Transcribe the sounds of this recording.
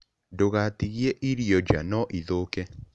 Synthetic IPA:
doɣatiɣjeʔiɾjɔd͡ʒanɔʔiðoːkɛ

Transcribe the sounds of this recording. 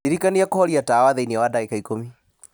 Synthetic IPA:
iɾikaniakɔhɔɾiatawaðainiawadaikaikomi

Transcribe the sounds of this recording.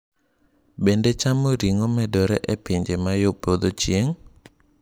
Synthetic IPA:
bendet͡ʃamoɾiŋomɛdɔɾɛʔɛpɪɲd͡ʒemajopod̪ot͡ʃjeŋ

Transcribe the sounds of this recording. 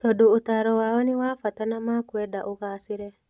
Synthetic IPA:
t̪ɔdoːt̪aɾɔwaɔnɪwafat̪anamakwedaʔʊkasɪɾɛ

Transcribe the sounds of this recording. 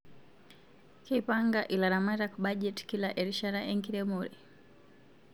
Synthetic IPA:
kipaŋɡaʔilaɾamaɾakuɓaʄɛti̥kilaʔɛɾiʃaɾaʔɛŋkiɾɛmɔɾi

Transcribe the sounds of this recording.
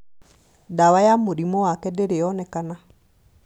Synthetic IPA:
dawajamoɾimɔwakɛdeɾeɔnɛkana

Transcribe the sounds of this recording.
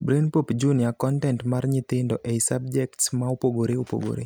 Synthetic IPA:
bɾenpopd͡ʒuniakɔntɛntmarɲɪt̪ɪndɔʔesab̚d͡ʒɛktsmaopoɡoɾeopo̰ɡo̰ɾḛ

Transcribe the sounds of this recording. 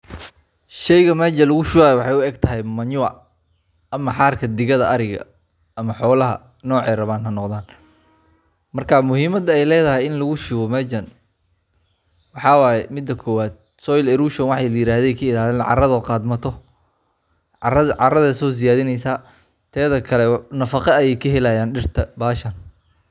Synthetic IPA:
ʃɛjɣɐmɛːd͡ʒɐlʊɣʊʃʊaːjwɑħɑjʊɛɡt̪ʰɐɦɛjmɐɲʊɐ̰ | ɐmɐħɑːrkʰɐd̪ɪɣɐðɐʔɐɾɪɣɐ̰ | ɐmɐħɔːlɐɦɐ̰ | nɔːʕɛːɾɐβaːnɦɐnɔqðaːn | mɐrkʰamʊhiːmɐd̪ɐɛjlɛːðɐɦɛjɪnlʊɣʊʃʊɣɔmɛd͡ʒɐn | wɑħɑːwɑːjɛmɪd̪ːɐkʰɔːwaːd̪̚ | sɔjlɛɾuːʃɐnwɑħɑjlɐjɪɾaːðɛjkʰɐɪlaːlɛːnʕɑ̰rɐðɔqɑːd̪mɐt̪ʰɔ | ɐʕɑrɐðɐsɔːs̬ɪjaːðɪnɛjsaː | t̪ʰɛːðɐkʰɐlɛnɐfɑqɑɐjɛjkʰɐɦɛlajaːnɖɪrt̪ʰɐbaːʃɐn

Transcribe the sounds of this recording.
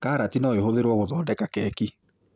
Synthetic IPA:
kaːɾatinɔeɦoðeɾwɔɣoðɔːdɛkakɛki

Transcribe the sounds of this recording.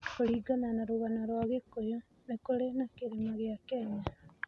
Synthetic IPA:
koliɡananaɾuβanaɾwaɣekːojo | nekolenakiɾimaɣiakeɲa

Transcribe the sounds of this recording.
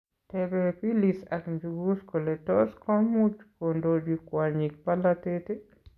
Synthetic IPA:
tɛbepilisa̰kɲd͡ʒuɡuskoletɔskɔmut͡ʃkondod͡ʒwikwaɲik̚palatete

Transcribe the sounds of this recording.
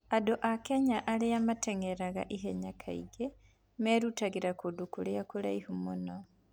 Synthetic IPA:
adoʔakɛɲaʔaleamatɛŋeɾaɣa̰ʔiɦɛɲakʰa̰ḭɡe | mɛɾutaɣiɾakodukuleakula̰ihumonɔ

